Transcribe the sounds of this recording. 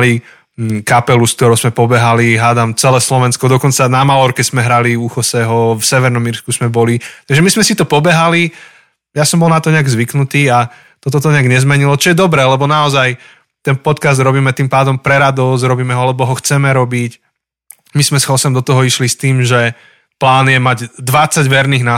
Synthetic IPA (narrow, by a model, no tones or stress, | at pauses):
li | kapɛlusk̚t̪ɔɾɔʊsmɛpɔbɛɦaliɦaːd̪amt͡sɛlɛːslɔʋɛnskɔd̪ɔkɔnt͡sanamalɔɾkɛzmɛɦɾaliuxɔsɛɦɔfsɛʋɛɾnɔmiɾskusmɛbɔlit̪aɡʒɛmizmɛsit̪ɔpɔbɛɦali | jasɔmbɔlˠnat̪ɔɲɛaɡzʋiknut̪iːa | t̪ɔt̪ɔt̪ɔɲɛaɡɲɛzmɛɲilɔt͡ʃɔjɛd̪ɔbɾɛːlɛbɔnaɔzaj | t̪ɛnpɔt̪kazd̪ɾɔbiːmɛt̪iːmpaːd̪ɔmpɾɛɾad̪ɔsɾɔbiːmɛɦɔalɛbɔɦɔxt͡sɛmɛɾɔbic | mismɛsxɔsɛmd̪ɔt̪ɔɦɔiʃlist̪iːmʒɛ | plaːnjɛmaɟd̪ʋat͡saɟʋɛɾniːɣna